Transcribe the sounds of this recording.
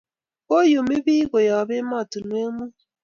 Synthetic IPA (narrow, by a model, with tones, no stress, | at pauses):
o˦jo˨me˦bi˦ɡo˨jɔ˨βe˦mɔ˦˨tu˨nwe˦mu˦